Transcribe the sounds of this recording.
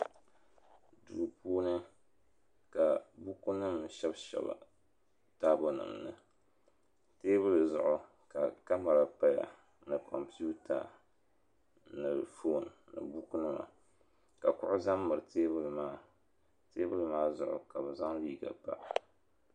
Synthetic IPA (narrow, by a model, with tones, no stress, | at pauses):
duː˨puː˦nɨ˦ | ka˨bu˦ku˦nɨ˦mʃɛ˦bʃɛ̰˨ba̰˨ | taː˦bo˦nɨ̰˨mnɨ˦ | teː˦bɨ˦lɨ˨zʊ˦ʔʊ˨ | ka˨ka˦ma˨ɾa˨pa˦ja̰˨ | nɨ˨kʰɔ˨mpu˦tʰa̰˨ | nɨ˨fo˦˨nːɨ̰˨bu˦ku˦nɨ˦ma̰˨ | ka˨kʊ˦ʔʊ˦za˦mːɨ˨ɾɨ˨teː˦bɨ˦lɨ˨maː˦ | teː˦bɨ˦lɨ˨maː˦zʊ˦ʔʊ̰˨ka˨bɨ˨za˦ŋliː˦ɡa̰˨pa̰˦ʔ